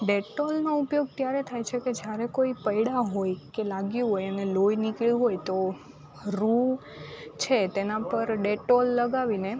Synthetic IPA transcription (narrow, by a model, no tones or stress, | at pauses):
ɖeʈolnoupjoɡ̚t̪jaɾet̪ʰajt͡ʃʰeked͡ʒjaɾekoipəjɽaɦojkelaɡjuɦojənelojnikɭjuɦojt̪o | ɾu | t͡ʃʰet̪enãpəɾɖeʈolːəɡaʋine